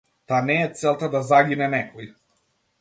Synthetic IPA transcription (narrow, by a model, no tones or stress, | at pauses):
t̪anɛːt̪sɛlˠt̪ad̪azaɡinɛnɛkɔj